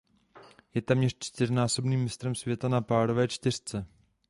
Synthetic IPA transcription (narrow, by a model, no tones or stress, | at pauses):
jɛt̪ɛːmɲɛrt͡ʃt̪ɪrnaːso̞bniːmːɪst̪ɾɛmsvjɛt̪anapaːɾo̞vɛːt͡ʃt̪ɪr̝̥t͡sɛ